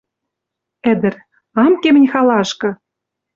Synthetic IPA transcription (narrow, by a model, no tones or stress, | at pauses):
ɘ̆d̪ɘ̆r | ɑmkemɘ̆nʲxɑlɑʃkɤ̆